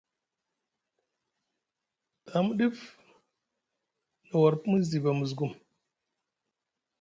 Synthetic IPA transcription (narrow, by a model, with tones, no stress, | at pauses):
ta˨˦mu˦ɗi˦f | na˨wa˨ɾpmu˦zi˨ba˨mu˨zɡu˦m